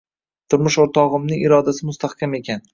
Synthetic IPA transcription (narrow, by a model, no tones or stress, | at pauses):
t̪ʰʊɾmʊʃoɾt̪ʰɒʁɨmnɪŋʔɪɾɒd̪asɪmʊst̪ahkʲame̞kʲʰan